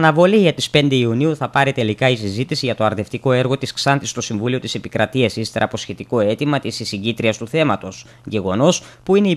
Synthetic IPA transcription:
ɐnɐvo̞liʝɐt̪ispe̞nd̪e̞iuniuθɐpɐɾit̪e̞likɐisizit̪isiʝɐt̪o̞ɐɾðe̞ft̪iko̞e̞ɾɣo̞t̪isksɐnt̪ist̪o̞siɱvulio̞t̪ise̞pikɾɐt̪iɐsist̪eɾɐpo̞sçe̞t̪iko̞e̞t̪imɐt̪isisiʝit̪ɾiɐst̪uθe̞mɐt̪o̞s | ʝe̞ɣo̞no̞spuine̞i

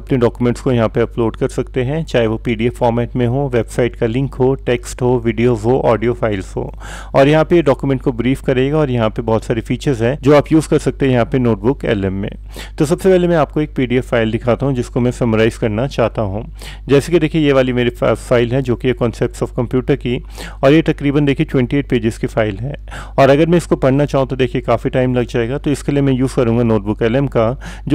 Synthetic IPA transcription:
ɐpneɖɔːkumɛ̃ɳʈskojɐɦãpeɐploːɖkɐɾsɐk̚t̪eɦɛ̃t͡ʃaːɦeʋopiːɖiɛffɔːɾmɛːʈmẽɦoːʋeːbsaːɪʈkalɪ̃ŋkɦoːʈeːksʈɦoːʋiɖijoːzɦoːʔɔːɖijofaːɪlzɦo̰ː | ɔːɾjɐɦãpejeɖɔːkjumɛ̃ɳʈ̚kobɾiːfkɐɾeːɡaɔːɾjɐɦãpebɔːɔt̪saːɾefiːt͡ʃəɾzɦɛ̃d͡ʒoːaːpjuːzkɐɾsɐk̚t̪eɦɛ̃jɐɦãpenoːʈ̚bʊkɛ̰ːlɛ̃mːḛ̃ | t̪os̬ɐbsepɛɦlemɛ̃aːp̚koeːk̚piːɖiɛfːaːɪld̪ɪkʰaːt̪aɦũd͡ʒɪskomɛ̃sɐmoɾaːɪz̥kɐɾnat͡ʃaːɦt̪aɦũː | d͡ʒɛːsekid̪eːkʰiejeʋaːlimeːɾifaːɪlɦɛd͡ʒoːkijekɔ̃ːnsɛp̚ʈsɔːfkɐ̃mpjuːʈəɾki | ɔːɾjet̪ɐkɾiːbənd̪eːkʰieʈwɛ̃ɳʈieːʈ̚peːd͡ʒɪz̥kifaːɪlɦɛ̃ː | ɔːɾɐɡəɾmɛ̃ɪskopɐɽnat͡ʃaːɦũt̪od̪eːkʰijekaːfiʈaːɪmlɐɡd͡ʒaːeːɡat̪oɪskelijemɛ̃juːzkɐɾũːŋɡanoːʈ̚bʊkɛːlɛmka | d͡ʒ

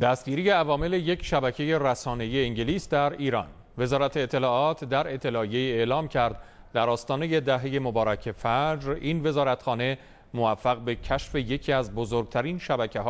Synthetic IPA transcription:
d̪̥æst̪̚ɟiːɾijeævɒːme̞le̞je̞cʰʃæbæcʰe̞je̞ɾæsɒːne̞ijeiŋɟeliːsd̪æɾiːɾɒ̰ːn | ve̞zɒːɾæt̪ʰeːt̪ʰːe̞lɒːʔɒːt̪ʰd̪æɾe̞t̪ʰːe̞lɒːije̞iːe̞ʔlɒːmcʰæɾd̪ | d̪æɾɒːst̪ɒːne̞je̞d̪æɦe̞je̞mobɒːɾæcʰe̞fæd͡ʒɾiːnve̞zɒːɾæt̪xɒːne̞ | movæfːæɣbe̞cʰæʃfe̞je̞cʰiːæzbozoɾɡ̚t̪ʰæɾinʃæbæcʰeɦː

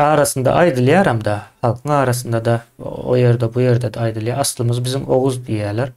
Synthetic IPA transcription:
ɑːɾɑsənd̪ɑ̰ʔɑjd̪ɨlˠjɑɾɑmd̪ɑχɑlˠqʰəŋɑːɾɑsənd̪ɑd̪ɑo̰jeɾd̪ɛbujeɾd̪æd̪æɑjd̪ɨlˠjɑɾɑslˠməzbɪzɪŋoʁʊzd̪ijælæɾ

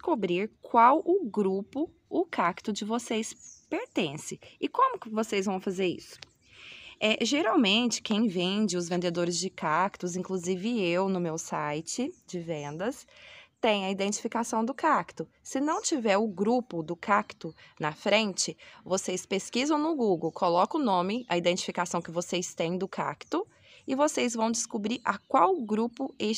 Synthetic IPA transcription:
kobɾiɾkwawʊɡɾupʊ | ʊkakt̪ʊd͡ʒɪvosejspeɾt̪ẽsɪɪkõmʊkɪvosejzvɐ̃w̃fazeɾḭsʊ̥ | ɛʒeɾawmẽnt͡ʃɪ̥kẽj̃vẽd͡ʒɪʊzvẽnd̪ed̪oɾɪzd͡ʒɪkakt̪ʊzĩŋkluzivɪewnʊmewsajt͡ʃɪd͡ʒɪvẽnd̪ɐst̪ẽj̃ɐid̪ẽnt͡ʃi̥fikasɐ̃w̃d̪ʊkakt̪ʊ | sɪnɐ̃w̃t͡ʃivɛɾʊɡɾupʊd̪ʊkakt̪ʊnɐfɾẽnt͡ʃɪvosespeskizɐ̃w̃nʊɡuɡowkʰolɔkʊnõmɪɐid̪ẽt͡ʃi̥fikasɐ̃w̃kɪvosejst̪ẽj̃d̪ʊkʰa̰kt̪ʊ | ɪvosezvɐ̃w̃d͡ʒɪskubɾiɾʔɐkwawɡɾupʊe

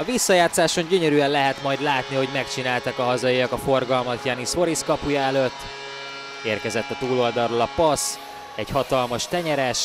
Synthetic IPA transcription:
ɒvisːɒjaːt̪saːʃo̞ɲɟøɲøɾyːɛnlɛɦɛt̪mɒjd̪laːt̪niho̞ɟmɛkt͡ʃinaːlt̪ɛkɒɦɒzɒjiɒkɒfo̞rɡɒlmɒt̪jaːniso̞ɾiskɒpujɒɛløt̪ː | eːrkɛzɛt̪ːɒt̪uːlo̞ld̪ɒrːolɒpɒs | ɛɟhɒt̪ɒlmɒʃt̪ɛɲɛɾɛʃ

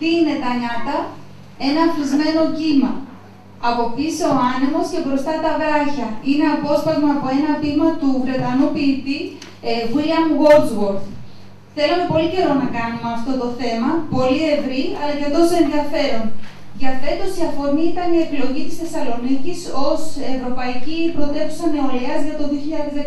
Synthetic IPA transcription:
t̪iine̞t̪ɐɲɐt̪ɐ | e̞nɐːflizme̞no̞cimɐ | ɐpo̞p̚t̪iseoɐnimo̞sce̞bɾo̞st̪ɐt̪ɐvɾɐçɐine̞ɐpo̞spɐzmɐːpo̞e̞nɐvimɐt̪uvɾe̞t̪ɐnupiːt̪i | viliɐnɣo̞lzɣo̞ɾθ | θe̞lume̞po̞lice̞ɾo̞nɐkɐnumeɐft̪o̞t̪o̞θe̞mɐpo̞lie̞vɾiɐlɐceft̪o̞senðiɐfe̞ɾon | ʝɐt̪e̞t̪o̞siɐfo̞ɾniit̪ɐniepilo̞ʝit̪i̥sθe̞sɐlo̞niciso̞se̞vɾo̞pɐicipɾo̞t̪e̞t̪u̥sɐne̞oleɐzʝɐt̪o̞ðioçiʎɐðezðe

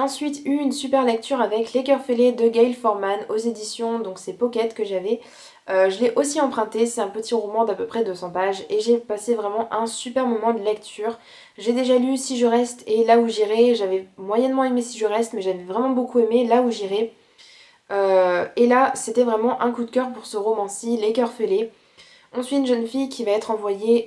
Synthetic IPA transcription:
ɑ̃sɥit̪yynsypɛʁlɛk̚t̪ʰyʁavɛklekʲœʁfeled̪əɡajlfɔʁmanozed̪isjɔ̃d̪ɔ̃ksɛpɔkʲɛt̪kəʒavɛ | øʒəlɛʔosiɑ̃pχɛ̃t̪eseɛ̃pət̪iʁɔmɑ̃d̪apøpχɛd̪øsɑ̃paʒeʒepasevʁɛmɑ̃ʔɛ̃sypɛʁmɔmɑ̃d̪əlɛkt̪ʰyːʁ | ʒed̪eʒalysiʒəʁɛst̪elauʒiʁɛʒavɛmwajɛnmɑ̃emesiʒəʁɛst̪mɛʒavɛvʁɛmɑ̃bokuemelauʒiʁɛ | øelaset̪ɛvʁɛmɑ̃ʔɛ̃kud̪kʲœʁpuʁsəʁomɑ̃silekʲœʁfele | ɔ̃sɥiynʒənfijkʲʰivaɛt̪χɑ̃vwaje

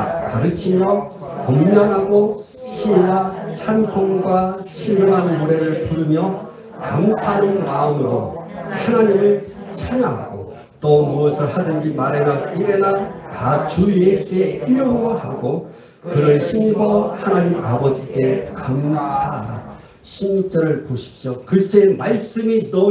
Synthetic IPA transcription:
kaɾɯt͡ɕʰimjʌkoŋɲaŋɦaɡo | ɕʰiwat͡ɕʰansʰoŋɡwaɕʰinmanɯuɾe̞ɾɯɭpuɾɯmjʌ | kaŋsʰanɯnmaɯmɯɾohanaɲimɯɭ | t͡ɕʰaɲaɡo̰ | t͈omuʌsʰɯɭhadɯnd͡ʑimaɾeɾʌniɾenakat͡ɕujesue̞iʌŋɡʌhaɡo | kɯɾʌɕʰinibʌhanaɲimabʌd͡ʑik͈e̞kaŋsʰa | ɕʰimit͡ɕ͈ʌɾɯɭpoɕʰi̥p̚ɕ͈okɯsʰemaɭs͈ɯminʌ

